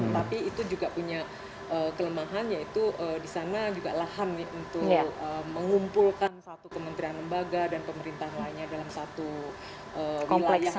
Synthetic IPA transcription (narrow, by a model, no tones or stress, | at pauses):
ət̪apiːt̪ud͡ʒuɡapuɲa | ʔəkələmaɦanjait̪uʔədisanad͡ʒuɡa̰lahanːiunt̪ʊkəməŋumpulkansat̪ukəmənt̪ɾianləmbaɡadanpəməɾint̪aɦlainɲadalamsat̪u | ʔəwilalja